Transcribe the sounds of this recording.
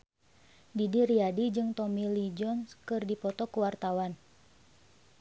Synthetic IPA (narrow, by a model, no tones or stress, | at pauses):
didiriadid͡ʒɨŋt̪ɔmilid͡ʒɔnskɨrdipɔt̪ɔkuwart̪awan